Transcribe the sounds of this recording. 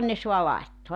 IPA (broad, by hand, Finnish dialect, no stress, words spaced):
ne so̝ɑ lɑi̞tːoɑ